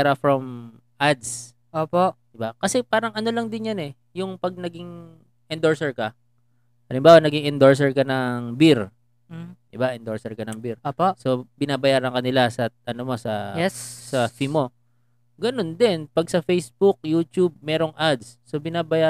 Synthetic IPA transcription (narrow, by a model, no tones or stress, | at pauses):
ɾɐfɹɐm | ʔad̪s | ʔoːpod̪ɪbakɐsɛpaːɾɐŋʔɐno̞lɐŋd̪ɪnjɐnɛ | jʊŋpɐɡ̚nɐɡɪŋ | ʔɪnd̪oɹsɛɹkɐ | ʔɐlɪmbaːwɐnɐɡɪŋʔɪnd̪o̞ɹs̬ɛɹkɐnɐŋbɪɾ̩ | d̪ɪbaʔɪnd̪o̞ɹsɛɹkɐnɐŋbɪɾoːposo̞bɪnaːbɐjaːɾɐnkɐnɪlasɐʔɐnomo̞sɐjɛsɐfimo̞ | ɡɐno̞nd̪ɛnpɐɡ̚sɐfejsbʊk̚juːt̪jub̚mɛːɾo̞ŋʔad̪sːo̞bɪnaːbɐjaː